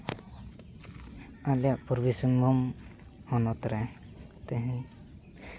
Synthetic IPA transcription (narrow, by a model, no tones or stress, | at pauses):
alijaʔpuɾbisunbʱɔm | hɔnɔt̪ɾɛ | t̪ɛɦɛ̃